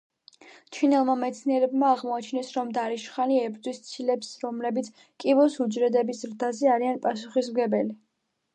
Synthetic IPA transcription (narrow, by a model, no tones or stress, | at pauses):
t͡ʃʰinɛlˠmamɛt̪sʰniɛɾɛbmaːʁmɔat͡ʃʰnɛsɾɔmd̪aɾiʃχaniɛbɾd̪wist̪sʰilɛpsɾɔmlɛbit̪sʰ | kʼivɔsud͡ʒɾɛd̪ɛbisɾd̪azɛaɾianpʼasuχismɡɛbɛli